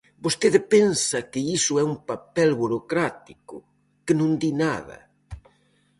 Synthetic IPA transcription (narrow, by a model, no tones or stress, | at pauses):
bost̪eðɪpɛnsɐkɪisʊɛumpapɛlβuɾokɾat̪ikʊ | kɪnũnd̪inaðɐ̰